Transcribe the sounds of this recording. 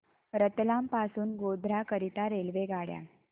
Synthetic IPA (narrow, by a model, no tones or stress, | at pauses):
ɾət̪lampasuːnɡod̪ʱɾakəɾit̪aɾelʋeɡaɽja̰